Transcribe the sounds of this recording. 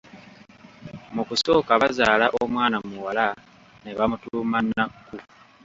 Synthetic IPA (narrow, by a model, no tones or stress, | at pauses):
mukuso̞ːkaβazaːlaʔoomwaːnamuwala | neβamutuːmanːaku